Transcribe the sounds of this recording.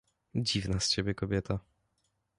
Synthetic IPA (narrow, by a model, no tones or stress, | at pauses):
d͡ʑivnast͡ɕebʲjɛkɔbʲjɛt̪a